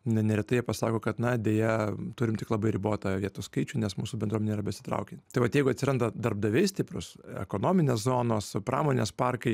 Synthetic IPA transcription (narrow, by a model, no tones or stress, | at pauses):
nɐnʲɛɾʲɛt̪ɐɪjɛpɐsɑːkoːkɐt̪nɐdʲeːjɛt̪ʊɾʲɪmt̪ʲɪklˠɐbɐɪɾʲɪboːt̪ɐʋʲiɛt̪uːskɐɪt͡ʃʲʊːnʲɛsmuːsʊbʲɛnd̪uɔmʲɛneiɾɐbʲɛsʲɪ̥t̪ɾɐ̰ʊkʲenʲt̪ɐɪʋɐt̪jɛɪɡʊɐt̪sʲɪɾɐnd̪ɐd̪ɐrb̚d̪ɐʋʲɛɪsʲtʲɪpɾʊsɛ̰koːnoːmʲɪnʲeːszoːnoːspɾɑ̰ːmoːnʲḛːspɑrkɐɪ